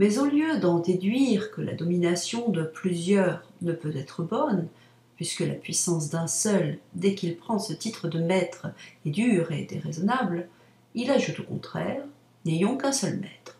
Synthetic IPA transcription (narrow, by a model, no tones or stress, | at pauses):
mɛzɔ̃ljød̪ɑ̃d̪ed̪ɥiʁkəla̰d̪ɔminasjɔ̃d̪əplyzjœːʁnəpøt̪ɛt̪χəbɔn | pɥiskəla̰pɥisɑ̃s̬d̪ɛ̃sœld̪ɛkilpχɑ̃sət̪it̪χəd̪əmɛt̪χɛd̪yʁḛd̪ḛʁezɔnabl | ilaʒut̪okɔ̰̃t̪χɛ̰ʁ | nejɔ̃kɛ̃sœlmɛ̰t̪χ